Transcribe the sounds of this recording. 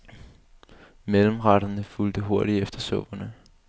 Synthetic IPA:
meləm̩ʁɑɾ̥ɐnəfuld̥əɦo̝ɐɾ̥iefd̥ɐsɔ̽b̥ɐnə

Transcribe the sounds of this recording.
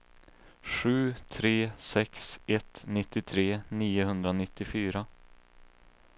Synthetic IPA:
ɧʉ̟ːt̪ʰɾeːsɛksɛt̪nɪt̪ːɪt̪ʰɾeːniːʊɦɵnd̪ɾanɪt̪ːɪfyːɾa

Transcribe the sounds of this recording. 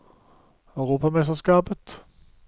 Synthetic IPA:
ɑʉʁuːpɑmɛst̪əʁskɑːpət̪

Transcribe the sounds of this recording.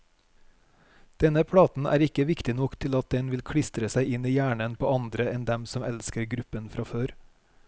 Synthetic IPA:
d̪̥ɛnəpʰɽɑːt̪n̩ʔæ̰ːɾɪkəʋɪkt̪ɪnɔkt̪ʰɪlɑt̪̚d̪ɛnʋɪlkʰɽɪst̪ɾəsæɪɪniːjæːɳənpʰoːɑnd̪ɾəɛnd̪ɛmsɔmɛlskəɾɡɾʉpənfɾɑføːɾ

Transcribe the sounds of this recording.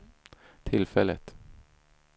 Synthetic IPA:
t̪ʰɪlfɛlːə̰t̪

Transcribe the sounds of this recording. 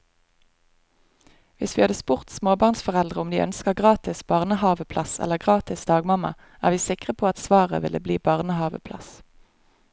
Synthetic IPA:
ʋɪsʋiːhɑd̪əspʊʁt̪smoːbɑʁnsfɔʁɛld̪ʁəʊmd̪iːʔœnskəʁɡʁɑːt̪ɪsbɑːʁnəhɑːʋəpʰlɑsɛ̰ləʁɡʁɑːt̪ɪsd̪ɑːɡmɑmɑ̰ | ʔæ̰ːʁʋiːsɪkʁəpʰoːɑt̪sʋɑːʁə̰ʋɪlʔəbliːbɑʁnəhɑːʋə̰pʰlɑ̰s

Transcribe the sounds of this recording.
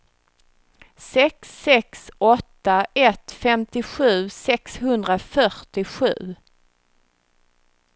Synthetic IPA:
sɛksːɛksɔt̪ːaɛt̪fɛmt̪ɪɧʉ̟ːsɛkshɵnd̪ɾafœʈɪɧʉ̟ː

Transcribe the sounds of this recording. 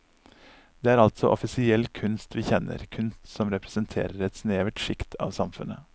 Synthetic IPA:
d̪eːæːɾɑlt̪sɔʔɔfɪsɪɛlkʰʉnst̪ʋiːçɛnə̰ɾkʰʉnst̪sɔmɾɛpɾəsənt̪ʰḛːɾəɾɛt̪sneːʋəʈʃɪkt̪ʰɑ̰ːʋsɑmfʉnə

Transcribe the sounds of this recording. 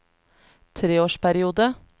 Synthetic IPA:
t̪ʰɾeːoːʃpæɾɪuːd̪ə

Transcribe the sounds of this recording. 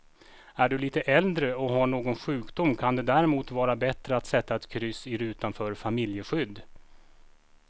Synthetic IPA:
æɖɵliːt̪əʔɛld̪ɾəɔɦaɳoːɡɔnɧʉ̟ːkd̪ʊmːkʰand̪ɛd̪æɾɛmuːt̪vɑːɾabɛt̪ɾəat̪sɛt̪ːaɛt̪kʰɾʏsɪɾʉ̟ːt̪anfœːɾfamɪljəɧʏd̪ː

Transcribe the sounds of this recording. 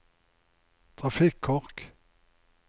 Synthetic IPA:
t̪ʰʁɑfɪkʰːɔʁk

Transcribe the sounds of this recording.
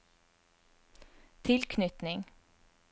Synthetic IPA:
t̪ʰɪlkʰnʏt̪nɪŋ

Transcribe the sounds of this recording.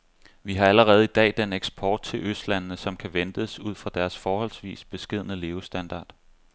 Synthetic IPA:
ʋiɦɑ̈æləʁɛːð̞̩ˠid̥ɛ̰ːd̥eneɡ̥sb̥ʰɒːd̥̚t͡sʰe̝lʔøsd̥lænnəsɒ̽mkʰæʋend̥əsuð̞̰ˠfʁɑ̈d̥æɐsfɒːhɒ̽l̰sʋḭːsb̥e̝sɡ̥e̝ð̰ˠənəle̝ːʊsd̥ænd̥ɑ̰̈ːd̥

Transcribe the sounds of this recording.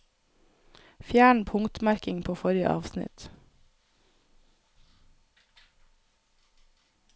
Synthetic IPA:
fjæːɳ̩pʰʊŋt̪mæɾkɪŋpʰoːfɔɾɪə̰ʔɑ̰ːʋsnɪ̰t̪

